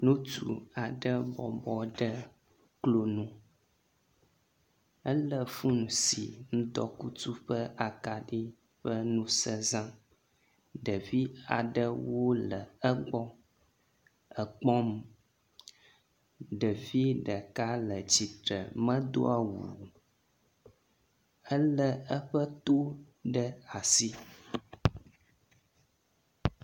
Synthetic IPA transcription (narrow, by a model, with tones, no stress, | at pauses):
nũ˦tṵ˦a˨ɖə˦bɔ˨bɔ˦ɖə˦ | klo˦nũ˦ | ə˦lə˦fu˦nũ˨si˨nũ˦d̪ɔ˦ku˦t̪u˦ɸə˦a˨ka˨ɖi˦ | ɸə˦nũ˦sə˦zã˦ | ɖə˨vi˦a˨ɖə˦wo˦lə˨ə˦ɡ͡bɔ˦ | ə˨k͡pɔ˦m | ɖə˨vi˦ɖə˨ka˦lə˨t͡ɕi˨t̪ɾə̰˨mə̃˦d̪o̰˦a˦wṵ˨ | ə˦lə˦ə˦ɸə˦t̪o˦ | ɖə˦a˨si˦